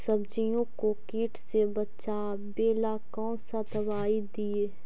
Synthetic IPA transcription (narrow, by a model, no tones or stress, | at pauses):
sɐbd͡ʒijõkokiːʈʰsebɐtːʃa | beːlakɔ̃ːsad̪ɐbaːid̪ieː